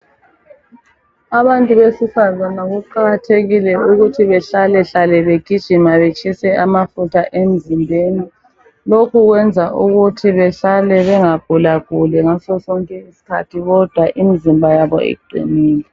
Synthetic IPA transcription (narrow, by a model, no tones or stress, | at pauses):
aβantʼuβesifazanaɣuǃaɣatʰeɣilɛuɣutʰiβɛɬalɛɬalɛβeɡ̥ʱid̥ʒ̥ʱimaβet͡ʃʼʰisɛʔamafutʰaʔem̩zimbʱeni | lokuɣwɛnd͡zʱaʔuɣutʰiβɛɬalɛβɛŋaɡ̥ʱulaɣ̥ʱulɛŋasɔsɔŋkʼɛisi̥kʰa̰tʰiɣɔd̥ʱwaʔimizimbʱajaβɔ̰ḛɡ͡ǃʱḭniːlɛ